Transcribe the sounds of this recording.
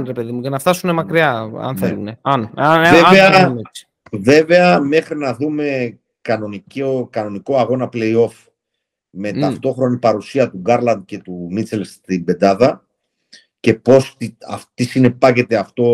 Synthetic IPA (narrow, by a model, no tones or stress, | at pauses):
nɾepe̞ðimucenɐft̪ɐsune̞mɐkɾiɐɐ̰nθneeluneɐnveveɐ | ve̞ve̞ɐme̞xɾinɐðume̞ | kɐno̞nicokɐno̞niko̞ɐɣo̞nɐple̞io̞f | me̞t̪ɐft̪o̞xɾo̞nipɐɾusiɐt̪uɡɐɾlɐnd̪̚ce̞t̪umit͡se̞lst̪imbe̞d̪ɐðɐ | cepo̞siɐ̰ft̪isine̞pɐce̞t̪e̞ɐft̪o̞